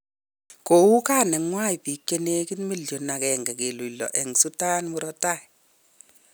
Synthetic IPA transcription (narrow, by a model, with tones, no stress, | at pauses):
ko˨u˦ka˦nɛ˨ŋwa˦i˨pi˨kːe˦ne˦kɪ˦nmi˦ljo˨na˨kɛ˨ŋɡɛ˨ke˨lu˨lɔ̰˨ʔɛ˨ŋsu˦ta˦nmu˦ɾɔ˦ta˦˨i˨